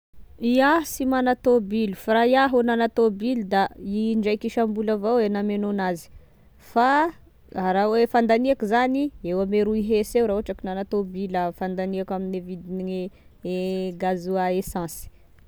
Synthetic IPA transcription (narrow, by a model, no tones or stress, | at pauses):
iasimanat̪obilufraiaɦonanat̪obild̪aiɳɖ͡ʐajkiʃambulavawenamenonazi̥ | fa | rawefãnd̪aniakizaniewameɾuiɦesewɾauaʈ͡ʂakinanat̪obiləfand̪aniakaminevid̪iniŋeeɡazuaesɑ̃si̥